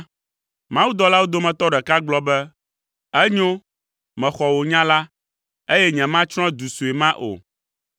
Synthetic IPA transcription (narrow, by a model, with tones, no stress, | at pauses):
mã˦wu˦d̪ɔ˨la˦wo˦d̪o˦mɛ̃˨t̪ɔ˦ɖɛ˨ka˦ɡ͡blɔ˦bɛ˦ | ɛ˦ɲõ˦ | mɛ̃˨xɔ˨wo˨ɲã˦la˦ | e˦jɛ˦ɲɛ̃˨mã˦t͡ʃɾ̃ɔ̃˦d̪u˨su˨e˨mã˦ʔo̰˨